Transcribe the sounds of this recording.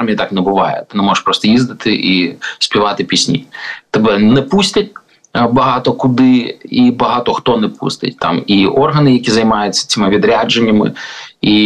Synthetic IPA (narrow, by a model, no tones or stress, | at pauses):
mʲiit̪ɑknɛbʊʋɑjɛ̰t̪ɪnɛmɔʐeʂpɾɔst̪ɔjizd̪ɪt̪ʰɪʔisʲpʲiʋɑt̪ɪpʲisʲnʲḭt̪ɛbɛnɛpusʲtʲɐt̚ʲ | bɐɦɑt̪ɔkʊd̪ɪibɐɦɑt̪ɔxt̪ɔnɛpṵst̪ɪ̰tʲt̪ɑ̰miʔɔrɦɐnɪjɐkʲizɐjmɑjʊt͡sʲːɐ̥t͡sʲimɪʋʲid̪ɾʲad͡ʒenʲːɐmɪ̰i